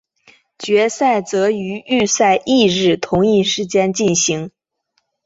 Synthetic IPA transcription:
t͡ɕɥɛ˧˥sa˥˩ɪt͡sɤ˧˥y˧˥y˥˧sa˥˧ɪʔi˥˧ɻɻ̩˥˩t̪ʰʊ˧˥ŋi˥˩ʂɻ̩˧˥t͡ɕjɛ˥nt͡ɕi˥˩nɕi˧˥ŋ

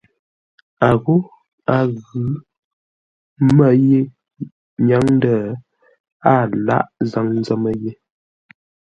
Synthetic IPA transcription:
a˨ɣo˦ | a˨ɣʉ˨˦ | mə˦je˦ | ɲa˨˦ŋn˦də˨ | a˦˨la̰˦ʔza˦ŋn˦zə˦mə˨je˦

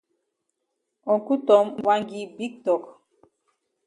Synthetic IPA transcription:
ɔ˨ku˦tɔ˨˦mwa˦ŋɡi˨bi˦k̚tɔ˨k

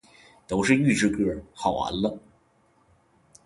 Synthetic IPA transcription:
t̪o˧˥ʊʂɻ̩˥˧y˥˧ʈ͡ʂɻ̩˥˧kɤ˥˩xɑ˨˩ʊa̰˧˥nlə˧

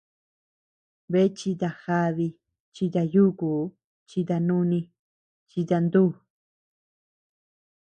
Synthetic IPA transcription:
βe˧˦t͡ʃi˧t̪a˧xa˧βi˧ | t͡ʃi˧t̪a˧ju˦ku˨˦ | t͡ʃi˧t̪a˧nũ˦nĩ˧ | t͡ʃi˧t̪a˧nd̪uː˦˨

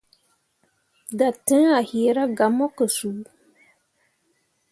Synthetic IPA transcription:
da˨tɨ˦ŋa˨hiː˨ɾa˦ɡa˨mɔ˦kə˨su˨˦

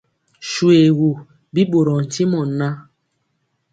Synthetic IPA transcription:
ʃu˨e˨ɣu˨ | bi˦ɓo˨ɾɔ˨n̩˨ti˦mɔ˨nːa˦

